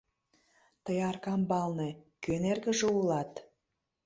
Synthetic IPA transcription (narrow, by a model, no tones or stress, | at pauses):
t̪əjɑrkɑmbɑlnekønerɣə̆ʒeulɑt̪